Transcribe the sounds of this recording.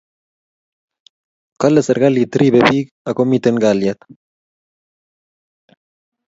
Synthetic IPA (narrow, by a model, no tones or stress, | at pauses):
kaleseɾɣalit̪ɾiβeβik | akomit̪eŋɡaljat̪